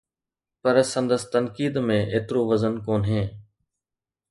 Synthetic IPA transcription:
pəɾsənd̪əst̪ənkiːd̪mẽːʔeːt̪ɾoːʋəzənkoːnɦẽː

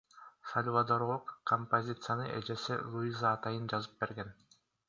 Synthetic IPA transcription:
sɐlʲvad̪oɾlˠuqkʰːompozʲit̪sɨjanɯʔḛd͡ʒe̞sḭlˠuizaːt̪ɑjɯnd͡ʒɑzɯp̚be̞ɾɡen

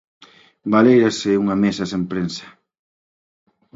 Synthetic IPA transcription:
balejɾɐseuŋɐmesɐsempɾensɐ̥

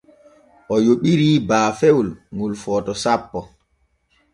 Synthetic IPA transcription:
ʔɔjoɓiɾiːbaːfewlŋulfɔːtɔsapːɔ

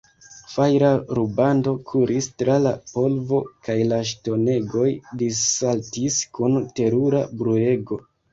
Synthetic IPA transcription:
fajɾaɾubando̞kʰuɾistɾalapo̞lvo̞kajlaʃ̬to̞ne̞ɡo̞jdisaltiskunte̞ɾuɾabɾue̞ɡo̞

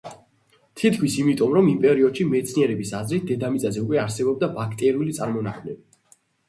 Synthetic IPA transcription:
t̪ʰit̪kʰwisimit̪ʼɔmɾɔmimpʼɛɾiɔd̪̥ʃimɛt̪sʰniɛɾɛbisazɾit̪̚d̪ɛd̪amit̪sʼazɛukʼwɛaɾsɛbɔb̚d̪abakʰt̪ʼɛɾiulit̪sʼaɾmɔnaχʰmlɛbi

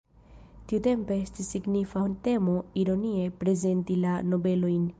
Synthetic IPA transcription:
t̪iut̪e̞mpeest̪isːiɡnifant̪e̞moiɾo̞nie̞pɾe̞ze̞nt̪ilano̞be̞lo̞jn

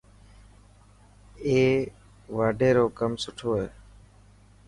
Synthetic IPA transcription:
eː | ʋaːɖʱeːɾoːkəmsʊʈʰoːeː

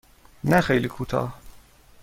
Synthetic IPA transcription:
næxejlikʰuːt̪ʰɒ̰ːh

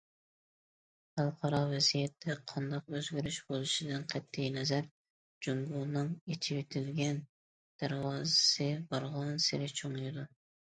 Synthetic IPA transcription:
χælˠqʰɑɾɑvɛzijɛt̪ʰːɛqʰɑnd̪ɑq̚øzɡʲɪɾyʃbolˠɨʃid̪ɪnqʰɛt̪ʰːɪjnɛzæɾ | d͡ʒumɡulˠnɨŋet͡ʃʰibet̪ʰɪlɡʲɛn | d̪̥æɾwɑːzɨsɨbɑɾʁɑnsɪɾɪt͡ʃʰoŋjid̪u

